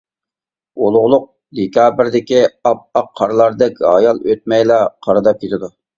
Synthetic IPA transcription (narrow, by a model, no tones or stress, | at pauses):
olˠʁʊlˠʊq̚ | d̪ekʲɑːbɪɾd̪ɪkʲiɑp̚ɑqʰːɑɾlˠɑɾd̪ɛkʲɦɑ̰jɑlˠøt̪̚mɛjlɑqʰɑɾɨd̪ɑp̚kʲʰet̪ʰɪd̪u